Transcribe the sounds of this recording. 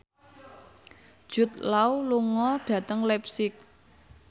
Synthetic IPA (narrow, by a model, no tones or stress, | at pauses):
d̥ʒ̥ʊ̤t̪̚lawluŋɔd̪̥ä̤t̪əŋlɛpsɪk̚